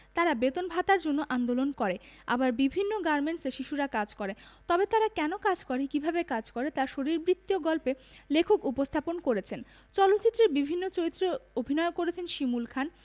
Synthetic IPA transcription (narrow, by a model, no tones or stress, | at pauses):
t̪aɾabet̪onbʱat̪aɾd͡ʑonːoʔand̪olonkɔɾea̰baɾbibʱinːoɡaɾmeɳʈseʃiʃuɾakad͡ʑkɔɾet̪ɔbet̪aɾakɛnokad͡ʑkɔɾikibʱabekad͡ʑkɔɾet̪aɾʃoɾiɾbɾit̪ːioɡɔlpelekʰokupost̪ʰaponkoɾet͡ɕʰen | t͡ɕɔlot̪ːɕit̪ːɾeɾbibʱinːot͡ɕoɾit̪ːɾeobʱinɔekoɾet͡ɕʰenʃimulkʰan